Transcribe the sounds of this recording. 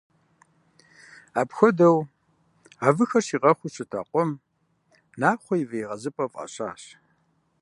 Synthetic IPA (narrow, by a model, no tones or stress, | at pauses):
aːpxʷɔdɐw | aːvɨxɐrʃiːʁɐχʷʊɕɪtʰa̰qʷɔm | naːχʷɔjivejʁɐzɨpʼɐfʼɐ̰ɕa̰ːɕ